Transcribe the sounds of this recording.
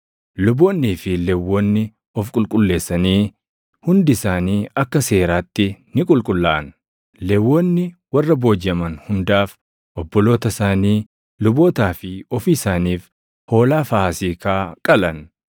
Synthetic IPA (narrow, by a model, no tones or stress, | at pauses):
lʊboːnːiːfɪlɛwːɔnːɪ | ɔfkʼʊlkʼʊlːe̞ːsːɐniː | hʊnd̪ɪsaːniːɐkːɐse̞ːɾaːt̪ːɪnɪkʼʊlkʼʊlːaːʔɐn | lɛwːɔnːɪwɐrːɐbo̞ːd͡ʒɐmɐnhʊnd̪aːf | ʔɔbːɔlo̞ːt̪ɐsaːniː | lʊbo̞ːt̪aːfɪɔfiːsaːniːf | ho̞ːlaːfasiːkaːkʼɐlɐn